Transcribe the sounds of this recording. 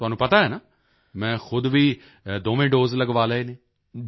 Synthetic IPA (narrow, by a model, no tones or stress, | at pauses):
t̪ʊɦaːnũːpət̪aɦɛːnaː | mɛ̃ːxʊd̪ʋiː | d̪oːʋẽːɖoːzləɡʋaːleeːnẽː